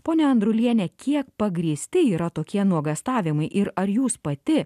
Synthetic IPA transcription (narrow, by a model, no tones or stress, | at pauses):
poːnʲɛɐnd̪ɾʊlʲiɛnʲɛkʲiɛk̚pɐɡɾʲiɛsʲt̪ʲɪiːɾɐt̪oːkʲiɛnuɔɡɐst̪ɑːʋʲɪmɐɪʔɪɾɐɾjuːspɐt̪ʲɪ